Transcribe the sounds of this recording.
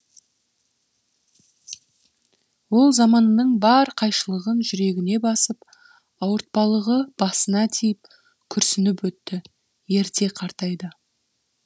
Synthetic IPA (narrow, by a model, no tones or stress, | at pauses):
wo̞lˠzɑmɑnːəɴbɑɾqʰɑjʃəlˠəʁənʒʏɾe̞ɡʲɪne̞bɑsəp | ɑwəɾt̪̚pɑlˠəʁəb̥ɑsənɑt̪ʰijɪp̚ | kʲʰʏɾsɪnɪpwɵt̪ːɪ | jeɾt̪e̞qʰɑɾt̪ɑjd̪ə